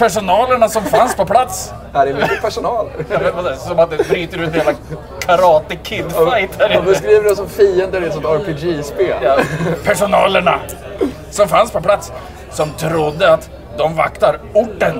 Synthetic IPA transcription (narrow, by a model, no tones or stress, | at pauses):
pʰæʂʊnɑːləɳasɔmfanspʰɔpʰlat̪s | æɖɛvt̪pʰæʂʊnɑːlə̰ɾɑmɛvasɔmat̪̚d̪ɛbɾyːt̪əɾʉɛt̪heːla | kʰaɾɑːt̪əkʰɪd̪ajt̪əɾbɛs̬kɾiːvəɖɔsɔmfiːənd̪əɾɛt̪sɔmt̪ɑɾpɪd͡ʒispeːljpʰæʂʊnɑːləɳa̰ | sɔmfanspʰɔplat̪s | sɔmt̪ʰɾʊd̪ːəat̪ | d̪ɔmva̰kt̪aɾʊʈːən